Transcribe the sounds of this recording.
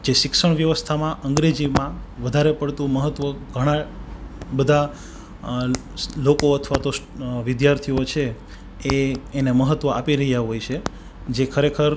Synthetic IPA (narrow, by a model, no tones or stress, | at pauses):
d͡ʒeʃɪkʃəɳʋjəʋəst̪ʰamãʔəŋɡɾed͡ʒimãʋəd̪ʱaɾepəɽt̪ũməɦət̪ʋəɡʱəɽ̃a | bəd̪ʱa | lokoət̪ʰʋat̪o | ʋɪd̪jaɾt̪ʰiot͡ʃʰe | eːneməɦət̪ʋəʔapiɾəɦijaɦojt͡ʃʰe | d͡ʒekʰəɾekʰəɾ